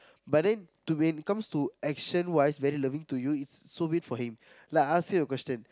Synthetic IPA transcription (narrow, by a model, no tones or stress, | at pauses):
bɐtdɛ̃ntuẽnkʌ̃mstuɛkʃə̃nwaɪsʋɛɾilʌʋĩŋtujuɪtsːoːbidfɔhĩm | laaskjujɔkwɛsʈə̃n